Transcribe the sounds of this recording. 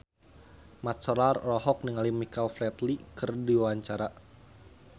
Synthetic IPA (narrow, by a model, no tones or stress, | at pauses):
mat̪sɔɾarlɔɦɔk̚niŋalimikalflɛt̪likɨrdiwawaɲt͡ʃaɾa